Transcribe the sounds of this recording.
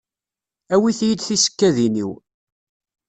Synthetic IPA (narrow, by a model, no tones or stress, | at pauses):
æwiθjəd̪θisə̥kːæðinḭw